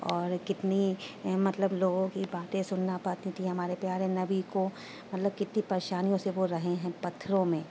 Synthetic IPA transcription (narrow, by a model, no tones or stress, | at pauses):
ɔːɾkɪt̪nimɐt̪ləbloːɡõkibaːt̪ẽsʊnːapɐt̪ĩt̪iɦɐmaːɾepjaːɾenɐbiko | mɐt̪ləb̚kɪt̪nipɐɾeːʃaːnijõseʋoɾɐɦẽɦɛ̃pɐt̪ʰːɾõmẽː